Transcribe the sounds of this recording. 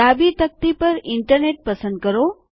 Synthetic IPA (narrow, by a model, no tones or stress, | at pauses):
aːbit̪ɐk̚t̪ipɐɾɪɳʈəɾneːʈ̚pɐsə̃nd̪̚kɐɾoː